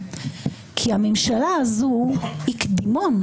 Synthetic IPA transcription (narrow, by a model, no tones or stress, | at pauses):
kʰiamemʃalaːzuhikd̪imon